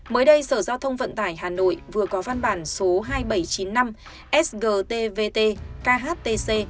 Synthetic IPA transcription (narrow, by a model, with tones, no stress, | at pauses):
məː˨˦jɗə˧jsəː˧˩zaː˧wt̪ʰə˧wŋ͡mvə̰˧˨nt̪aː˧˩jɦaː˨˩no̰˧˨jvɨ˨˩əkɔ˨˦va˧nɓaː˧˩nso˨˦ɦaː˧jɓə˧˩jt͡ɕi˨˦nːa˧m | ʔɛ˦˥s̚ɣəː˧˩t̪e˧ve˧t̪e˧kaː˧ɦaː˦˥t̚t̪e˧se˧